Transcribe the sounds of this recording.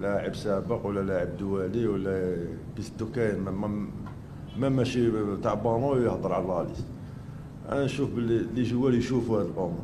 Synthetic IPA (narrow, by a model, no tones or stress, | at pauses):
laʕəbsæbəqwəlːælaʕəb̚d̪wæliwəlːæ | bist̪ukæjnmæm | mæmæʃit̪ɑʕbɑnujəhd̪ˤəɾˤʕalɑlis | ʔæ̰nænʃufbllːiʒəwːæljʃufuhæd̪əlʔomɾ